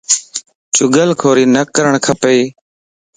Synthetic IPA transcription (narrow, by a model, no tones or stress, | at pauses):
t͡ʃʊɡəlkʰoːɾiːnəkəɾəɳkʰəpeiː